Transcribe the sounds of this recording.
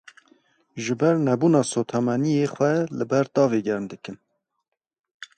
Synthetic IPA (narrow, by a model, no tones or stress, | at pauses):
ʒɨbɛɾnɛbuːnɑːsoːt̪ʰɑmɛnijeːxʷɛlɨbɛɾd̪ɑːveːɡɛɾmd̪ɨkɨn